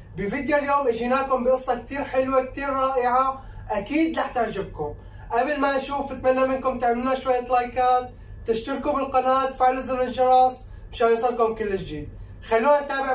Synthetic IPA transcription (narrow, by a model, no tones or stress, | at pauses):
bɪfɪd̪joljoːmʔɪʒiːnaːkʊmbɪʔɨsˤːɑk̚t̪iːɾħɪlwak̚t̪iːɾɾˤɑːʔɪʕa | ʔakiːd̪laħt̪aʕʒɪb̚kʊm | ʔablmaʔʃuːfɪt̪malːamɪnkʊmt̪ɪʕmɪlːaʃwajːat̪lajkaːt̪̚ | t̪ɪʃt̪ɪɾkubɪlqɑnaːt̪ːfɪʕlzɪɾɪlʒɑɾˤɑsˤ | mʃajsˤɨlkʊmkɪlːɪʃd͡ʒiːd̪̚ | xalːuːnat̪aːbɪʕ